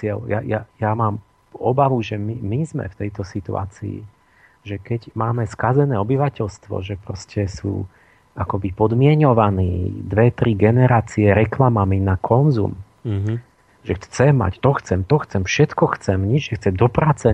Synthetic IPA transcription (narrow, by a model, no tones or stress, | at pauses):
ɪɛljajajamaːm | ɔbaʋuʒɛmimizmɛ̰ft̪ɛjt̪ɔsit̪ṵa̰ːt͡sḭḭ | ʒɛkɛɟmaːmɛskazɛnɛːɔbiʋacɛʎst̪ʋɔ̰ʒɛpɾɔscɛsṵː | akɔbipɔd̪mɪɛɲɔʋanḭːd̪ʋɛt̪ɾiɡɛnɛɾaːt͡siɛɾɛklamaminakʰɔnzṵm | ʒɛt͡sɛmːa̰ct̪ɔxt͡sɛmt̪ɔxt͡sɛmfʃɛt̪kɔxt͡sɛmɲid͡ʒʒɛxt͡sɛd̪ɔpɾaːt͡sɛ